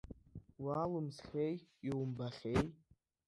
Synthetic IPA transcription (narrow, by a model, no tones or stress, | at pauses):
walumsχʲejiwmbaχʲej